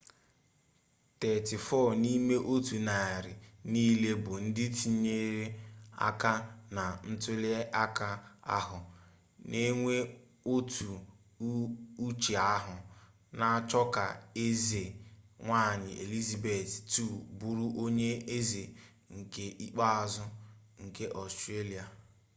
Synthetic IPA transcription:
tɛ˨tɪ˨fɔ˦˨ni˦me˦ʔo˦tu˨na˨ɾɪ˨niː˦le˦bʊ˨n̩˦dɪ˦ti˨˦ɲe˦ɾe˦a̰˦ka˦na˨n̩˦tʊ˦le˦ʔa˦ka˦a˦ɦʊ˨ | ne˦ŋʷe˦ | o˦tʰu˨˦ | u˦t͡ʃe˨a˦ɦʊ˨ | na˦t͡ʃɔ˦ka̰˨e˦ze˨ŋʷa˦˨ɲɪ˨ʔe˨li˦za˨be˨ttu˦˨bu˦ɾu˦ʔo˦ɲe˦e˦ze˨ | ŋ̩˨ke˦ʔi˦k͡pa˦a˦˨zʊ˦ | ŋ̩˨ke˦ʔɔ˨stɾe˦li˨a˨

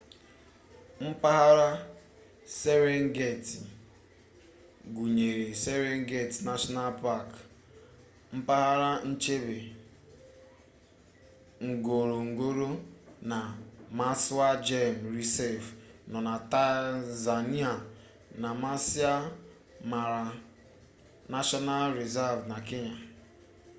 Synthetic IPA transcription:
m̩˦pa˦ɦa˦ɾa˦ | se˦ɾe˦ŋ˦ɡe˦˨t | ɡu˨ɲe˨ɾe˨se˦ɾe˦ŋ̩˦ɡe˦˨tna˦ʃɔ˦na˦lpa˦˨k | m̩˦pa˦ɦa˦ɾa˦n̩˦t͡ʃe˦be˨ | ŋ̩˨ɡo˨ɾo˨ŋ̩˨ɡo˦ɾo˦na˨ma˦sʊ˦a˦d͡ʒe˦˨m̩˨ɾi˨se˦vnɔ˨na˨ta˦za˨ni˦a˨ | na˨ma˦si˦a˦ | ma˨ɾa˨ | na˦ʃɔ˦na˦lɾi˨za˦vna˨kɪ˦ɲa˨

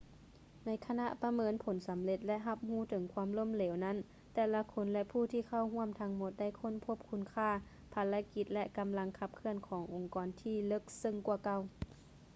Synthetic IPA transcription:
na˧˥jkʰa˧na˧ʔpa˧mɤː˧˥˨npʰo˩˦nsa˨˦mle˧˦t̪̚lɛ˧˥ʔɦa˧p̚huː˧˥˩t̪ʰɤ˩˦ŋkʰwaː˧˥˨mlo˧˥˨mlɛː˩˨˦wna˧˥˨n | t̪ɛː˧˩la˧kʰo˧˥nlɛ˧pʰuː˧˩t̪ʰiː˧˩kʰa˧˩˨wɦu˧˥˩əmt̪ʰa˧˥ŋmo˧˦t̪̚da˧˥˩jkʰo˧˥˨npʰo˧˥p̚kʰu˧˥nkʰaː˧˩ | pʰa˨˧˥la˧ki˧˥t̪̚lɛ˧˥ʔka˧mla˧ŋkʰa˧p̚kʰɯ˧˥ənkʰɔː˩˦ŋʔo˨˧ŋkɔː˨˦nt̪ʰiː˧˩lɤ˧˥˩k̚sɤ˧˨ŋku˧˩ɐka˧˩˨w

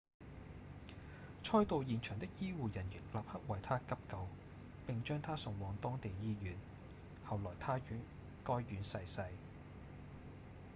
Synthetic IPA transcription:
t͡ʃʰɔː˥jt̪o˨˧wjiː˨nt͡ʃʰœː˨˩ŋt̪ɪ˥k̚jiː˥wuː˨jɐ˨˩njɪ˨˩k̚laː˨p̚hɐ˥k̚wɐ˨jt̪ʰaː˥kɐ˥p̚kɐ˧w | pɪ˨ŋt͡ʃœː˥ŋt̪ʰaː˥sʊ˨˩ŋwɔː˨˧ŋt̪ɔː˥ŋt̪e˨jjiː˥jyː˨˩n | hɐ˨wlɔː˨˩jt̪ʰaː˥yː˨˥n | kɔː˥jːyː˨˥nsɐ˧jsɐ˧j

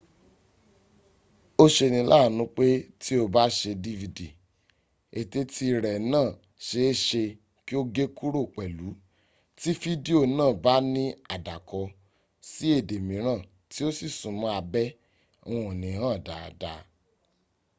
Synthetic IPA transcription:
o˦ʃe˧nĩ˧lʔa˦˨nũ˨˦k͡pe˦ti˦o˧ba˦ʃe˧di˦vi˧di˨ | e˨te˧tʰi˧ɾɛ˨nãː˦˨ | ʃe˧˦ʃe˧ | ki˦o˦ɡe˦ku˦ɾo˦˨k͡pɛ˨lu˨˦ | ti˦fi˦di˦o˦˨nãː˦˨ba˦nĩ˦a˨da˨kɔ˧ | si˦e˦˨de˨mĩ˨˦ɾ̃ãː˦˨ | ti˦o˦si˦˨sũ˨mã˨˦a˧bɛ̃˦˧ | ɔ̃˦˨o˨nĩ˨˦hãː˦˨da˨da˧

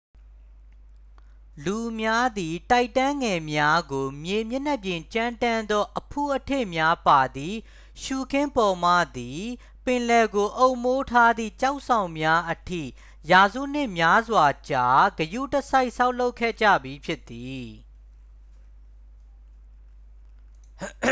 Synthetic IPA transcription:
lu˨mja˦d̪i˨ta˦ɪtã˦ŋɡɛ˨mja˦ɡo˨mje˨mjɪ˦˨n̥ɛ˦˨pjɪ̃˨t͡ɕã˦ntã˦nd̪ɔ˦ʔəpʰu˦˨ʔətʰḛ˦˨mja˦pa˨d̪i˨ | ʃu˨kʰɪ̃˦mpɔ˨m̥ä̰˦˨d̪i˨ | pɪ̃˨lɛ˨ɡo˨ʔo˦ʊʔmo˦tʰa˦d̪ðḭ˦˨t͡ɕa˦ʊʔsã˨ʊ̃mja˦ʔətʰḭ˦˨ | ja˨zṵ˦˨n̥ɪ˦ʔmja˦zwa˨t͡ɕa˨ɡəjṵ˦˨təsa˦ɪʔsa˦ʊʔlo˦ʊkʰːɛ̰˦˨d͡ʑä̰˦˨bji˨pʰjɪ˦t̪ːi˨

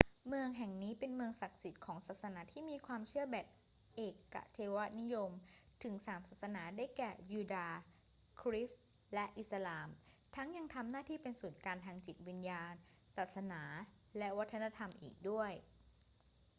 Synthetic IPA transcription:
mɯ˧əŋɦɛ˨˩ŋniː˦˥pe˧nmɯ˧əŋsa˨˩k̪̚si˨˩t̪̚kʰɔː˩˦ŋsaː˨˩t̪̚sa˧naː˩˦˥t̪ʰiː˥˩miː˧kʰwaː˧mt͡ɕʰɯ˥˩ɐbɛː˨˩p̚ | ʔeː˨˩kːa̰˨˩ʔt͡ɕʰeː˧wa˦˥t̪̚ni˦˥jo˧mt̪ʰɯ˩˦ŋsaː˩˦msaː˨˩t̪̚sa˧naː˩˦daː˥˩jkɛː˨˩juː˧daː˧ | kʰɾi˦˥s | lɛ˦˥ʔi˨˩t̪̚sa˧laː˧mt̪ʰa˦˥ŋja˧ŋt̪ʰa˧mnaː˥˩t̪ʰiː˥˩pe˧nsuː˨˩nkaː˧nt̪ʰaː˧ŋt͡ɕi˨˩t̪̚wi˧njaː˧n | saː˨˩t̪̚sa˧naː˩˦ | lɛ˦˥wa˦˥t̪ʰːa˧na˧t̪ʰa˧mʔḭː˨˩k̚du˥˩əj

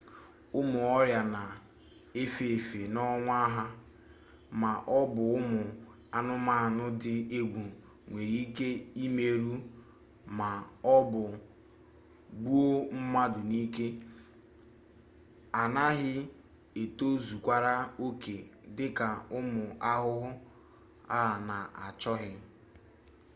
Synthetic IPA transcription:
ʊ˦mʊ˨ɔ˦ɾja˨na˨ | e˦fe˨fe˨nɔ˦ŋʷ˦a˦ɦa˦ | ma˨ʔɔ˦bʊ˨ʊ˦mʊ˨ | a˦nʊ˦ma˦˨nʊ˦dɪ˦e˦ɡʷu˨ | ŋʷe˨ɾi˦ke˦i˦me˨ɾu˦ | ma˨ɔ˦bʊ˨ | ɡ͡bu˦o˦m̩˦ma˦dʊ˨ni˦ke˦ | a˨na˦ɦɪ˦ | e˨to˦zu˨kʷa˦ɾa˦o˦ke˨dɪ˦ka˨ʊ˦mʊ˨a˦ɦʊ˦ɦʊ˦ | a̰˦ɦa˨na˨a˨t͡ʃɔ˦ɦɪ˦

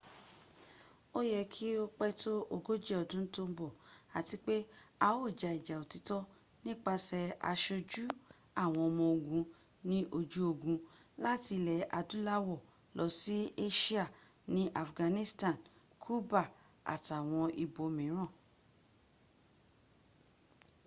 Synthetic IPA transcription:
o˦jɛ˦˧kʰi˦o˦k͡pɛ˦to˦ʔo˧ɡo˦d͡ʒɛ˦˨ɔ˨dũ˦n̩˦to˦m̩˦bɔ˦˨a˨ti˧k͡pe˦a˧wo˦˨d͡ʒa˨i˨d͡ʒa˨o˨ti˨˦tɔ˦ | nĩ˦k͡pa˧sɛ˧a̰˧ʃo˧d͡ʒu˦ | a˦˨w̃ɔ̃˧mɔ̃˧o˧ɡũ˧ | nĩ˦ʔo˧d͡ʒu˨˦o˧˨ɡũ˧la˦ti˧lɛ˨ʔa˧dũ˦la˦wɔ˦˨ | lɔ˧˦si˦e˦ʃi˦a˦˨ | nĩ˦ʔa˨fɡã˨˧nĩ˦stã˦˨n | kʰu˦ba˦˨ | a̰˨ta˨w̃ɔ̃˧i˧bo˨mĩ˨˦ɾ̃ã˦˨

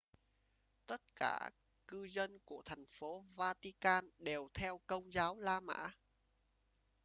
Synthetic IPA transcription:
t̪ə˦˥t̚ka̰ː˧˩ | kɨ˧zə˧nku˧˩ət̪ʰɛ˨˩jŋ̟fo˨˦vaː˧t̪i˧kaː˧nɗe˨˩wt̪ʰɛ˧wkə˧wŋ͡mzaː˨˦wlaː˧ma̰ː˧˥

